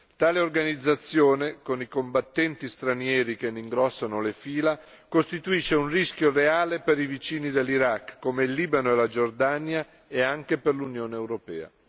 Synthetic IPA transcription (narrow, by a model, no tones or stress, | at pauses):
t̪aːleorɡanid̪zːat̪sːjoːnekonikombat̪ːɛnt̪ist̪ɾanjɛːɾik̟eniŋɡɾɔsːanolefiːla | kost̪it̪uiʃːeunrisk̟joreaːlepeɾivit͡ʃiːnid̪elːiɾakːomeilːiːbanoelad͡ʒord̪anja | eaŋkeperlunjoːneːwɾopɛːa̰